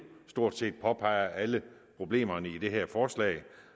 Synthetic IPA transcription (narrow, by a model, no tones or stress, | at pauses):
sd̥o̝ɐ̰d̥se̝̰ːd̥̚pʰɒ̽pʰɑ̈ɪ̰ɐʔæləpʰʁo̝b̥le̝̰ːmɐnəid̥e̝ɦæɐ̰fɒːslɛ̰ːɪ